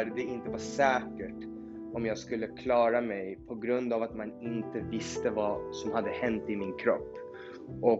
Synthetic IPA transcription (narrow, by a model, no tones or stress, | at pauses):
ɾd̪ɛɪnt̪əvaʂɛːkəʈ | ɔmjɑːɡskɵlːəkʰlɑːɾamɛjpʰɔɡɾɵnd̪avat̪manɪnt̪əvɪst̪əvasɔmhad̪ːəhɛnt̪ɪmɪnkʰɾɔpː | ʔɔ